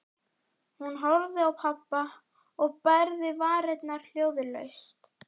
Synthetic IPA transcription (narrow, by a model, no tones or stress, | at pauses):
hunɦɔɾðɪawpʰapːa | ɔɣpajɾðɪvaːɾɛt̪naɾ̥l̥joːwðɪlœ̰ɥst̪